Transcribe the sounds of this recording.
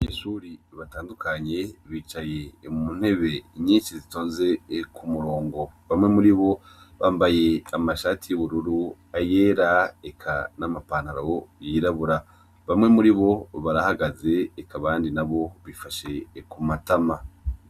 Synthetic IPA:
βaɲeːʃuɾiβataːndukʰaɲe̞βiːt͡ʃaje̞mumun̥e̞βe̞ɲiːnʃizitoːnze̞kʰumuɾo̞ːŋɡo̞βamŋe̞muɾiβo̞ | βaːmbaje̞amaʃaːtijuβuɾuɾu | ajeːɾaekʰa̰namapaːn̥haɾawojiːɾaβuɾa | βamŋe̞muɾiβo̞βaɾahaɡaze̞ːkʰaβaːndinaβo̞βifaʃe̞kumatama

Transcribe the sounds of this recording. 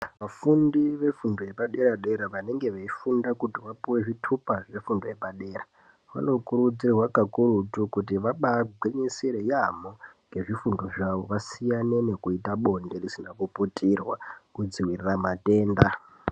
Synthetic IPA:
ʋafundiʋe̞fundojepaɗe̞ɾaɗe̞ɾaʋane̞ŋɡe̞ʋeifundakutiʋapiwe̞ʐitʰupaʐe̞fundoje̞paɗe̞ːra | ʋa̰no̞kuɾud͡zireɦwakakuɾutukutiʋaɓaɡʱweɲisiɾejamoŋɡe̞ʐifundo̞ʐaʋo̞̰ʋasijane̞ne̞kuitaɓo̞nde̞risinakuputʰirwakud͡ziwiriramate̞ːnda

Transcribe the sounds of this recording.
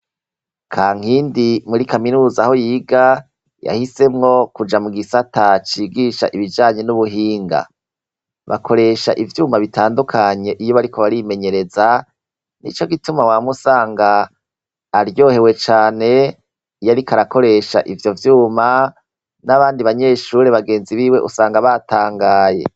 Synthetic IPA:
kʰaːŋ̥hiːndimuɾikaminuːzaho̞jiːɡa | ja̰hise̞mŋo̞kud͡ʒamuɡisatat͡ʃiːɡiːʃa̰ʔiβid͡ʒaːɲe̞nuβuɦiːŋɡa̰ | βa̰kʰo̞ɾe̞ʃa̰ʔivjuːmaβitʰaːndukʰaɲe̞ʔijo̞βaɾikʰoβaɾime̞ɲe̞ɾe̞za | nḭt͡ʃo̞ɡitumawamusaːŋɡaː | ɾjo̞ːhe̞we̞t͡ʃaːne̞ | jaɾikaɾako̞ɾe̞ʃa̰ʔivjo̞vjuːma | naβaːndiβaɲe̞ʃuːɾeβaɡe̞ːnziβiːwe̞ʔusaːŋɡaβataːŋɡaːje̞̰

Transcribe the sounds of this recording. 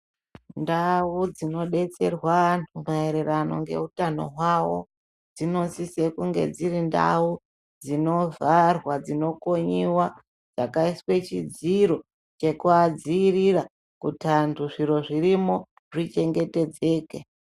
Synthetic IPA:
ndaud͡zino̞ɗe̞t͡se̞rwantʰumaeɾerano̞ŋɡe̞̰utano̞̰ɦwawo̞̰ | d͡zino̞sisekuŋɡe̞̰d͡ziɾinda̰u | d͡zino̞varwad͡zino̞ko̞ɲiwa | d͡zakaiswe̞t͡ʃid͡ziɾo̞ | t͡ʃe̞kuad͡ziːrira | kutʰantʰuʐiɾo̞ʐiɾimo̞ | ʐit͡ʃe̞ŋɡe̞te̞d͡ze̞ːke

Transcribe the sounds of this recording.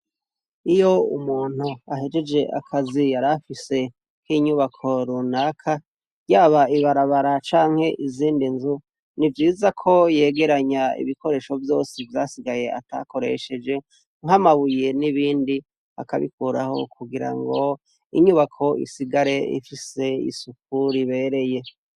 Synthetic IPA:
ijo̞ṵmuːn̥uaɦe̞d͡ʒe̞d͡ʒe̞ʔa̰kʰazijaɾafise̞ | kiɲuβakʰo̞ɾunakʰa | jaːβaiβaɾaβaɾat͡ʃaːŋ̥he̞ʔiziːndinzu | nivjiːzakʰo̞je̞ːɡe̞ɾaɲaḭβikʰo̞ɾe̞ːʃo̞vjo̞ːsivjaːsiɡaje̞a̰ta̰ko̞ɾe̞̰ʃe̞d͡ʒe̞ | ŋɦamaβuje̞niβiːndi | a̰ka̰βḭkuɾa̰ho̞̰kʰuɡiɾa̰ŋɡo̞ | ḭɲuːβakʰo̞ḭsiɡaɾe̞ḭfise̞ḭsuk̚uɾiβe̞ɾe̞je̞

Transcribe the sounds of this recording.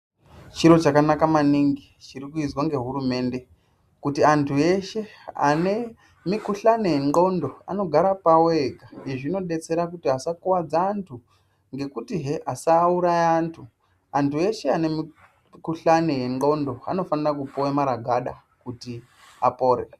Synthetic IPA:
t͡ʃiɾo̞t͡ʃakanakamaniŋɡi | t͡ʃiɾikuizwaŋɡe̞ɦuɾume̞ːnde̞ | kutiantʰue̞ʃe̞a̰ne | mikuɬanejeŋo̞ndo̞a̰no̞ɡʱaɾapaweɡaeʐino̞ɗe̞t͡se̞ɾakutiɦasakuwad͡zaːntʰu | ŋɡe̞kutiɦeʔasauɾajaːntʰu | antʰue̞ʃe̞ane̞mi | kuɬanejeŋo̞ndo̞a̰no̞fanirak̬upowemaɾaɡʱaɗa̰ | kuti | apo̞rḛ

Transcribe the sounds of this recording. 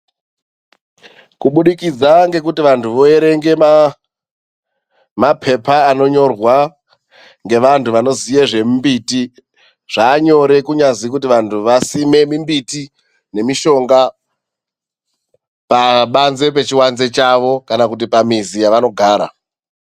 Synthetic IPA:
kuɓuɗikid͡zaŋɡe̞kutiʋantʰuʋo̞e̞ɾe̞ŋɡe̞ | mapʰe̞paːno̞ɲo̞rwa | ŋɡe̞ʋantʰuʋano̞zije̞ʐe̞mmbiti | ʐ̥aːɲo̞ɾe̞kuɲazikut̬iʋantʰuʋasime̞mimbiti | ne̞miʃo̞ŋɡa | paɓanze̞p̬e̞t͡ʃiwanze̞t͡ʃaʋo̞kanakut̬ipamizijaʋano̞ɡʱaːɾa̰

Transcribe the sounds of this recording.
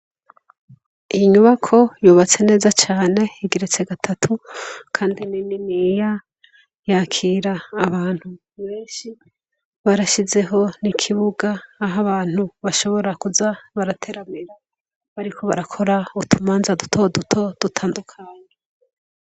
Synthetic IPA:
ijiɲuβakʰo̞juːβat͡se̞ne̞ːzat͡ʃaːne̞iɡiɾet͡se̞ɡatʰatʰukʰaːndinininiːja | jaːkʰiːɾaːβaːn̥hu | βe̞ːnʃi | βaɾaʃize̞ɦo̞nikʰiβuɡaːɦaβaːn̥huβaʃo̞βo̞ɾakuzaβaɾatʰe̞ɾamiɾa | βaɾikʰo̞βaɾakʰo̞ɾautʰumaːnzadutʰo̞dutʰo̞d̥utʰaːndukʰaːɲe

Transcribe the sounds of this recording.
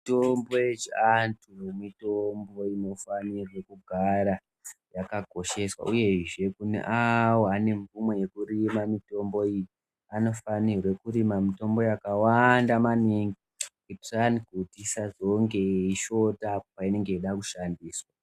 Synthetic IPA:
itombo̞jet͡ʃiantʰunemitombo̞ino̞fanirwe̞kuɡʱaɾa | jakaɡʱo̞ʃe̞swa̰ʔuje̞ʐe̞kunḛʔawoane̞ɱvumweje̞kurimamito̞mbo̞iji | ano̞fanirwe̞kuɾimamito̞mbo̞jakawandamaniŋɡi | kuti̥raniɡʱutisazo̞ŋɡe̞iʃo̞taːpopaine̞ŋɡe̞iɗakuʃandiːswa

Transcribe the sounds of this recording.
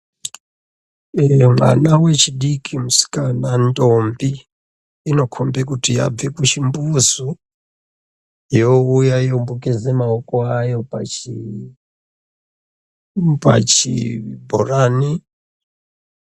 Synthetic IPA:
mwa̰nawe̞t͡ʃiɗikʰimusi̥kanantombiː | no̞kʰombekutija̰b͡vekut͡ʃimbuzu | joujaijombukezemaokoajo̞pai | pa̰t͡ʃibʱo̰raːni

